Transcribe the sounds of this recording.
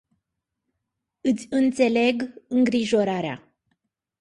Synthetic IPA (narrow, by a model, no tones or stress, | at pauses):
ɨt̪sʲɨnt̪se̞le̞ɡɨŋɡɾiʒo̞ɾaɾea̰